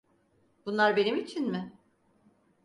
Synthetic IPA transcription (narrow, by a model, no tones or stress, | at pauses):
b̥unlˠaɾbe̞nimit͡ʃʰinmɪ